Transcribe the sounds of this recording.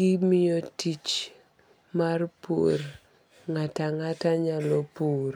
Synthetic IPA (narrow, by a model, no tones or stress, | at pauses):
imɪjɔtit͡ʃ | marpo̰r | ŋataŋataɲalɔpoɾ